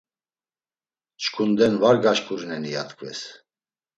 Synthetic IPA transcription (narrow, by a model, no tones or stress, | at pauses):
t͡ʃkʰund̪ɛnvaɾɡaʃkʼuɾinɛnijat̪ʰkʰʼvɛ̰s